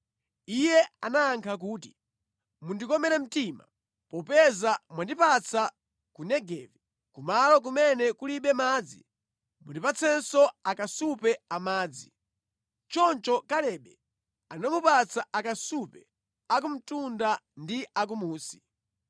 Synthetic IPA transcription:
ijɛanaːŋkʰak̬uːti̥ | mundikɔmɛɾɛm̩tima̰ | pɔpɛzamwandipat͡sʰa | kunɛɡɛvi | kumalɔk̬umɛnɛkuliɓɛmaːd͡zḭ | mundipat͡sʰɛnsɔakasupɛamaːd͡zi | t͡ʃɔnt͡ʃɔkalɛːɓɛ | anamupat͡sʰaʔakasupɛ | ak̬um̩tundandiak̬umuːsi̥

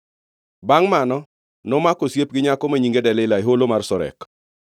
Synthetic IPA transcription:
baŋmanɔ | nɔmakosjep̚ɡɪɲakɔmaɲiŋɡedɛlɪɪlaeɦolomarsɔɾɛ̰k

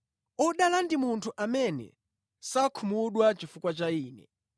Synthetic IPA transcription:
ɔɗalandimuntʰuʔamɛnɛ̰ | sakʰumuɗwat͡ʃifukwat͡ʃaiːnɛ

